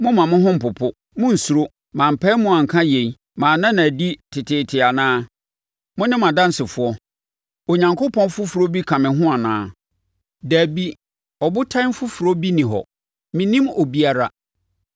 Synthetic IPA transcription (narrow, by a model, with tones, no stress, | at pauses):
mʊ̃˦mã˨mʊ̃˦ɦʊ̃˦m̩˨pʊ˨pʰʊ˦ | mʊ̃˦n̩˨su˨ɾo˦ | mã˨m̩˨pʰɛ˦mʊ̃˦a˨ŋ̩˨kʰã˦je˨i˦ | mã˨nã˦nã˨di˦tʰɪ˨tʰɪː˨tʰɪ˨a˨nãː˦ | mʊ̃˦nɪ̃˦m˨ã˨dã˦n̩˨sɪ˨fʊ˨˦ɔ˦ | o˨ɲã˨ŋkʊ˦pʰɔ̃˦n˦fʊ˦fu˨ɾo˦bi˦kʰã˨mɪ̃˨ɦʊ̃˦a˨nã̰ː˦ | dæː˨bi˦ | ɔ˨bʊ˦tʰã˦n˦fʊ˦fu˨ɾo˦bi˦nĩ˨ɦɔ̰˨ | mĩ˨nĩ˦mo˨bi˦a˦ɾa˨